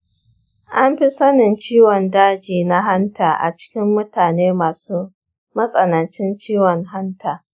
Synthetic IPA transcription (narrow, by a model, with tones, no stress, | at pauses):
ʔa˦mɸi˦sɐ˦nɪ˨nt͡ʃiː˦wɔ˨ndaː˦d͡ʒiː˨na˦ɦa˦ntaː˨ʔa̰˨t͡ʃɪ̥˦kʲɪ˦mːʊ˦taː˨neː˦maː˨suː˦ | mɐ˦sʼɐ˨nɐ˨nt͡ʃɪ˦nt͡ʃiː˦wɔ˨ŋɦa˦ntaː˨